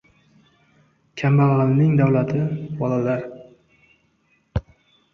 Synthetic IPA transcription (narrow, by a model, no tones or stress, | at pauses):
kʲʰambaʁɨlnɪŋd̪awlat̪ʰɪbɒlalaɾ